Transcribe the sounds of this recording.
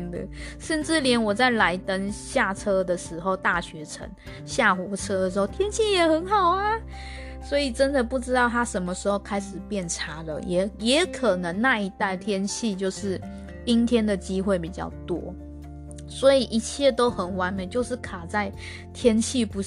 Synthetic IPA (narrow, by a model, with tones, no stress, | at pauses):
nd̪ə̰˩ʂə˥˧nʈ͡ʂɻ̩˥˩ljɛ˧˥nwɔ˨˩t͡sa˥˩ɪla˧˥ɪt̪ə˥ŋɕja˥˩ʈ͡ʂʰɤ˥d̪ə˨ʂɻ̩˧˥xo˥˧ʊt̪a˥˩ɕɥɛ˧˥ʈ͡ʂʰə̰˧˥ŋ | ɕja˥˩xwɔ˧˥ʈ͡ʂʰɤ˥ə˨ʂɻ̩˧˥xo˥˧t̪ʰjɛ˥nt͡ɕʰi˥˩jɛ˨˩xə˧˦˥nxɑ˨˩ʊa˦ | swɔ˧˥i˨˩ʈ͡ʂə˥nd̪ə˨pu˥˩ʈ͡ʂɻ̩˥t̪ɑ˥˩ʊt̪ʰa˥ʂə˧˥nmə˧ʂɻ̩˧˥xo˥˧˩ʊkʰa˥ɪʂɻ̩˨˩pjɛ˥˩nʈ͡ʂʰa˧˥lə̰˨jɛ˨˩jɛ˧˥˦kʰə˨˩nə˧˥ŋna˥˧i˧˥t̪a˥˩ɪt̪ʰjɛ˥nt͡ɕʰi˥˧t͡ɕjo˥˧ʊʂɻ̩˥˩ | t̪i˥ŋt̪ʰjɛ˥nd̪ə˨t͡ɕi˥xwe˥˩ɪpi˨˩t͡ɕjɑ̰˥˩ʊt̪wɔ̰˥ | swɔ˧˥i˨˩ʔi˧˥t͡ɕʰjɛ˥˧t̪o˥ʊxə˨˩nwa˧˥nme˨˧˦ɪt͡ɕjo˥˧ʊʂɻ̩˥˩kʰa˨˩t͡sa˥˩ɪ | t̪ʰjɛ˥nt͡ɕʰi˥˩pu˧˥